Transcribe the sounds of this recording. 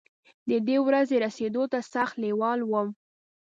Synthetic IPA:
d̪əd̪ewɾazeɾased̪ot̪asaxt̪lewɑlwəm

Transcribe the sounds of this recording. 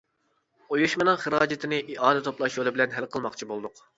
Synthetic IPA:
ojuʃmɨnɨŋχəɾɑːd͡ʒɪt̪ʰɪnɪʔiʔɑːnɪt̪ʰoplˠɑʃolˠɨbɪlɛnɦɛlqʰəlˠmɑqt͡ʃʰibolˠd̪ʊq

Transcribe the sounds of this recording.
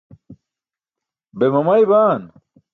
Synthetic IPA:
bemɐmɐjbaːn

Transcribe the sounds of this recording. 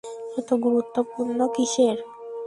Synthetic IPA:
et̪oɡuɾut̪ːopuɾnokiʃeɾ

